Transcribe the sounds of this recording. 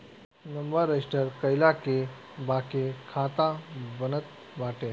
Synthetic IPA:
nəmbəɾːesʈəɾkəjlake | bakekʰat̪abənət̪ | ʋaʈe

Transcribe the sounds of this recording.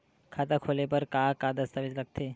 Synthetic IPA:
kʰat̪akʰolepəɾkakad̪əst̪aʋid͡ʒləɡ̚t̪ʰe

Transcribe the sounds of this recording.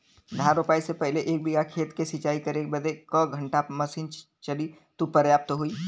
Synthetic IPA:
ɖʱaːɾʊpaːisepɛɦleʔeːk̚bɪɡakʰeːt̪kesɪt͡ʃaːikɐɾeːkbɐd̪ekəɡʱɐ̃ɳʈamɐsiːn | t͡ʃɐli | t̪upəɾjaːp̚t̪ɦoiː

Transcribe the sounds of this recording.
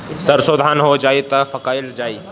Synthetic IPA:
sɐɾsoːd̪ʱaːnɦod͡ʒaːit̪ɐfɐkaːɪld͡ʒaːiː

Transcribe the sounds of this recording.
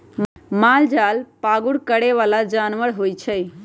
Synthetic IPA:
mmald͡ʒalpaɡuɽkəɽeʋalad͡ʒanʋəɽɦojt͡ʃʰəj

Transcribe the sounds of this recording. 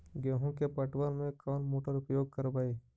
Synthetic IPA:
ɡãːɦõkepəʈʋəɾmẽkɔːnmoːʈəɾʊpjoːɡ̚kəɾbaːeː

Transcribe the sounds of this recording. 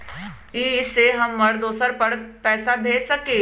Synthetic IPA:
iːɪsːeɦɐmːɐɾd̪oːsəɾpɐɽpɛːsab̪ʱeːsɐkẽː

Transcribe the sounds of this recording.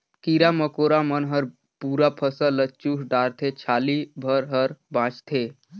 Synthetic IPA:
kiɾaməkoɾamənɦəɾ | puɾapʰəsələt͡ʃusɖaɾt̪ʰet͡ʃʰalibʱəɾɦəɾbãt͡ʃt̪ʰe

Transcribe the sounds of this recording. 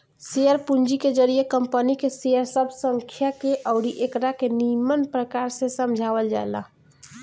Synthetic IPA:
sijəɾpund͡ʒiked͡ʒəɾijekəmpənikesijəɾsəbʱsəŋkʰjakeʔəʊɾiʔekɾakenimənpɾəkaɾsẽsəmd͡ʒʱaʋəld͡ʒa̰ela̰

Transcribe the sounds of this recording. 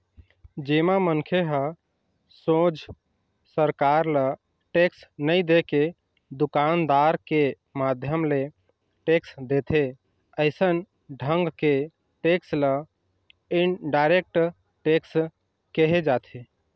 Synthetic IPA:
d͡ʒemamənkʰeɦə | sõd͡ʒ | səɾkaɾlə | ʈeksnəid̪eke | d̪ukand̪aɾke | mad̪ʱjəmle | ʈeksd̪et̪ʰe | əɪsən | ɖʱə̃ŋɡke | ʈekslə | inɖaɪɾek̚ʈ | ʈeks | kəɦed͡ʒat̪ʰe

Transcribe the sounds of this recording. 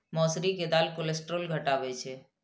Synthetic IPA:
mɔsɾiked̪alkolesʈɾolɡʱəʈaʋet͡ʃʰe

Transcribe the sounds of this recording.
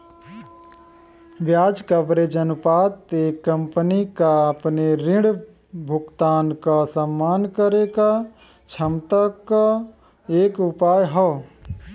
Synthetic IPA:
ʋjaːd͡ʒkəbɾed͡ʒənpaːt̪ekːə̃mpnikaəpneɾɪ̃ɽ | bʱʊkt̪aːnkasəmːaːnkəɾeka | t͡ʃʰəmt̪aka | eːkʊpaːjɦɔ

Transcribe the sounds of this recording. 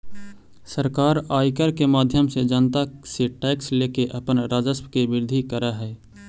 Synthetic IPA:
səɾkaːɾaːikəɾkemaːd̪ʱjəmsed͡ʒənt̪aseʈɛːksleːkeʔəpənɾaːd͡ʒəspkebɪɾd̪ʱikəɾaɦɛː

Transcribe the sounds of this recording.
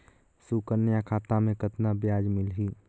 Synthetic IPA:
suːkəɾnjãkʰaːt̪amẽkət̪nabjaːd͡ʒmɪlɦiː

